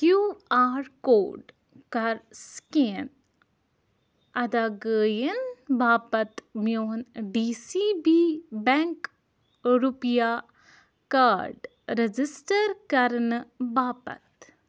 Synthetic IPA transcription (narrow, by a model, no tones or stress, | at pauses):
kjuːaːɾkoːɖ | kɐɾskeːn | ɐd̪aːɡəːjənbaːpɐt̪mjoːnɖiːsiːbiːbɛŋk | ɾupjaː | kaːɾɖ | ɾed͡ʒisʈəɾkɐɾnbaːpɐ̰t̪